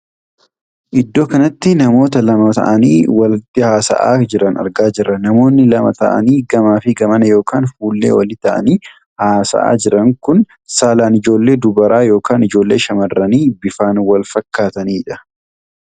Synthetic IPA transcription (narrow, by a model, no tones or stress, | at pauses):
ʔɪd̪ːo̞ːkɐnɐt̪ːɪnɐmo̞ːt̪ɐlɐmɐt̪ɐ̰ʔɐnḭːwɐlɪt̪ːɪhaːsɐ̰ʔa̰ːd͡ʒɪɾɐnɐ̰ɾɡaːd͡ʒɪrːɐnɐmo̞ːnːɪlɐmɐt̪ɐ̰ʔɐ̰niːɡɐmaːfɪɡɐmɐnɐjo̞ːkaːnfuːlːḛːwɐlɪt̪ɐʔɐ̰niː | haːsɐ̰ʔa̰ːd͡ʒɪɾɐŋkʊn | saːlaːnɪd͡ʒo̞ːlːe̞ːd̪ʊbɐɾaːjo̞ːkaːnɪd͡ʒo̞ːlːe̞ːʃɐmɐrːɐniːbɪfaːnwɐlfɐkːaːt̪ɐniːᶑɐ̥